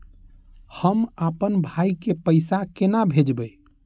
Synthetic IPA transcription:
həmapənbʱaikepəɪsakenabʱed͡ʒbə

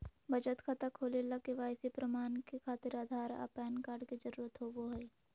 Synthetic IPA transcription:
bʱəd͡ʒət̪kʰat̪akʰoːlelakeʋaːɪsepɾəmaːnkekʰaːt̪ɪɾaːd̪ʱaːɾa̰pɛːnkaːɾɖked͡ʒəɾuːɾət̪ɦoboɦoi

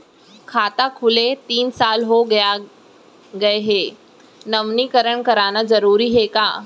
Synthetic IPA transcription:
kʰaːt̪akʰulet̪iːnsaːlɦoɡja | ɡɐeɦeː | nəʋnikəɾəɳkəɾaːnad͡zəɾuːɾiɦekaː

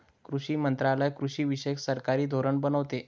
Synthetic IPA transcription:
kɾuɕiːmənt̪ɾalaejkɾuɕiːʋiɕəjksəɾkaɾiːd̪ʱoɾəɳbənəʋt̪e

